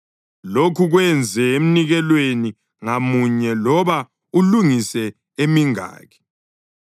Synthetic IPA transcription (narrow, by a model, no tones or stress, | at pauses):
lokʰuɣwɛnd͡zʱɛem̩niɣɛlweni | ŋamuɲɛlɔβa | uluŋisɛ | emiŋa̰ːɣɛ̥